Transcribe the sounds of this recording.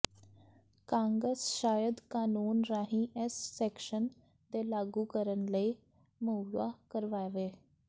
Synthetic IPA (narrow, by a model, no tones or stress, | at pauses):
kãːŋɡɾəsʃaːjəd̪kaːnuːnɾaːɦĩːʔɛsːɛːkʃən | d̪eːlaːɡuːkəɾənləiː | məʋaːkəɾʋaːeʋeː